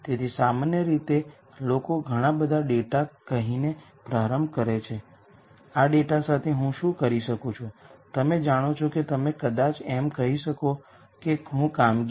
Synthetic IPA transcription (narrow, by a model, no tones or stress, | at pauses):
t̪et̪ʰisamanjəɾit̪e | lokoɡʱəɽ̃ãbəd̪ʱaɖeʈakəɦine | pɾaɾəmbkəɾet͡ʃʰe | aɖeʈasat̪ʰeɦũʃũkəɾiʃəkot͡ʃʰot̪əmed͡ʒaɽ̃ot͡ʃʰoket̪əmekəd̪at͡ʃɛmkəɦiʃəko | keɦũkamɡ